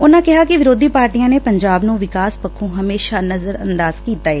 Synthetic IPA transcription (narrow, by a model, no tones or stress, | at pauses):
ʊnãːkɪɦaːkɪʋɪɾoːd̪ʱiːpaːɾʈiːjãːneːpəɲd͡ʒaːbnũːʋɪkaːspəkʰːũːɦəmeːʃaːnəzəɾə̰nd̪aːzkiːt̪aːɛː